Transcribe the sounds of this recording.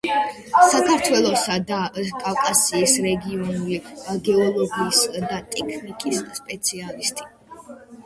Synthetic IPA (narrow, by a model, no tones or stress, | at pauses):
sakʰaɾt̪ʰwɛlˠɔsad̪akʼafkʼasiːsɾɛɡiɔnuliaɡɛɔlˠɔɡiːsd̪at̪ʼɛkʰnikʼisːpʼɛt̪sʰialist̪ʼi̥